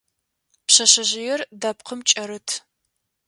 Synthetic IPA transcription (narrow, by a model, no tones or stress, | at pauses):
pɕɐɕɐʑɪjɛrdap̚qʰəmt͡ʃʼɐɾɨtʰ